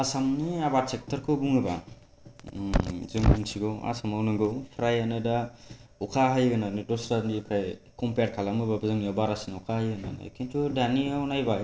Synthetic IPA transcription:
asamniabat̚sek̚tʰɐɾkʰɯbuŋɯba̰ | zɯŋunsʰiɡɯwa̰samawnɯŋɡɯwpʰɾajanɯdaukʰaɦajɡɯnanɯdɔsɾandipʰajkɔmpeɾ̚kʰalamɯbabɯzɯŋjabaɾasinukʰaajɡɯna̰nɯ̰jkʰintʰudaniawnajba

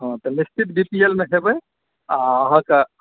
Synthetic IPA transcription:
ɦãt̪ɔnist̪ʰit̪̚bipielmeɦebəj | aəɦə̃ke

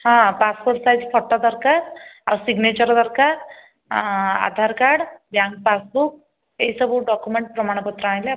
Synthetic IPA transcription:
hãpaspoɾʈsajzpʰɔʈːad̪əɾkaɾa̰wsiɡnet͡ɕəɾd̪əɾkaɾ | a̰d̪ʱaɾkaɽbjãŋɡ̚pasbuk̚ | eisəbuɖɔkumeɳʈ̚pɾəmaɽ̃ɔpɔt̪ɾəãj̃le

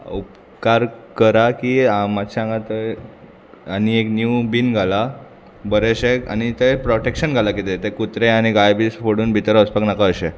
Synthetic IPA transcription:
up | kaɾkəɾakiamat̪ɕaãŋɡat̪ə | anieknjubinɡʱala | bəɾeɕea̰ñit̪ejpɾoʈekɕənɡʱalakit̪et̪ekut̪ɾeaɽ̃iɡajbisfoɽuːnbʱit̪ɾəspaknakaəɕe

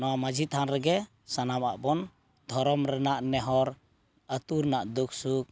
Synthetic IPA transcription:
nɔwamad͡ʒʱit̪ʰanɾɛɡɛ | sanama̰ʔbɔn | d̪ʱɔɾɔmɾɛnaʔnɛɦɔɾ | at̪uɾnaʔd̪uk̚suk̚

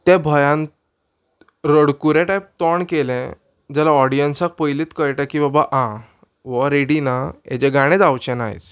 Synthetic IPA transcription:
t̪ɛ̃bʱəjãn | ɾəɽkuɾẽʈajp̚t̪ɔɳkelɛ̃ | d͡zɛlaɔɽijənsak̚pəjlit̪kəjʈakibabaʔã | ʋɔɾeɽinaḛd͡ʑɛɡaɽ̃ẽd͡zawt͡ɕɛ̃naɦj̰t͡s

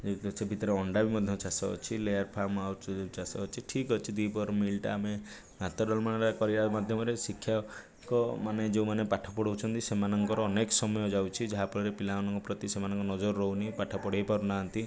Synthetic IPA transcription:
sebʱit̪ɔɾeɔɳɖabimɔd̪ʱjɔt͡ʃasɔɔ̰t͡ʃʰilejaɾpʰamawt͡ʃasɔt͡ʃʰiʈʰikɦɔt͡ʃʰid̪ijpɔɾmilʈa̰ːme | mat̪ɔɖɔlmañaɾɾakɔɾiɾamad̪ʱjɔmɔɾesikʰja | kɔmaned͡ʒeumanepaʈʰɔ̥pɔɽ̤ɔwt͡ʃʰɔnt̪isemanɔŋkɔɾɔːnekɔsɔmɔjɔd͡ʒawt͡ʃʰid͡ʒaɦapɔɾiɾepilawnɔŋkɔpɾɔt̪isemanɔŋkɔnɔd͡ʒɔɾɔːɔunipaʈʰapɔɽ̤ajpaɾunaɦɔnt̪i

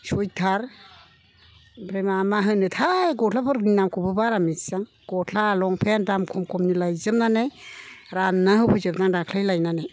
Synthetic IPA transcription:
sɔjtʰaɾ | bɾemamaɦɯnɯtʰajɡɔtʰlapʰɯɾɡinamkʰɔbɯbaɾamisaŋ | ɡ̥ɔtʰlaːlɔŋpʰendamkʰɔmkʰɔmnilajzɯmnanajɾannaɦɯwpʰɔzɯbnaŋdakʰlajlajnanaj

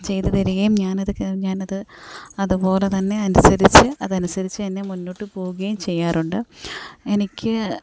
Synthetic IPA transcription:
t͡ɕe̞jt̪ɐðɐɾiɣɐjumɲaːnɐðɨkɲaːnɐðɨɐðupo̞ːle̞t̪ɐnːe̞ɐnusɐɾit͡ɕːɨɐðɐnusɐɾit͡ɕːɨɐnːe̞munːoːʈːɨpo̞ːɣuɣɐjumt͡ɕe̞jːaːruɳɖɨe̞nikʲːɨ

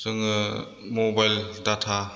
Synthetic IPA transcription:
sɯŋɯ | mɔbajldatʰa

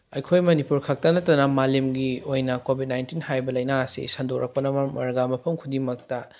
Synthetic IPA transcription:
ɐjkʰojmɐnipuɾkʰɐk̚tɐnɐtːɐnɐmalemɡiojnɐkobʱit̚najntinhajbɐlɐjnaɐsḭsɐndok̚ɾʔɐk̚pɐnɐmɐmɐɾɡamɐpʰɐmkʰudimɐk̚tɐ

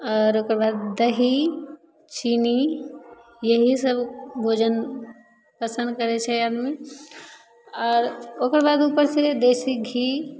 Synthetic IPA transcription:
ɔːɾoːkəɾbad̪ːəɦi | t͡ʃiːni | jəɦisəbbʱod͡ʒən | pəsə̃nd̪kəɾet͡ʃʰɛaːd̪mi | ɔːɾokəɾbad̪uːpəɾsed̪eːsik̚i

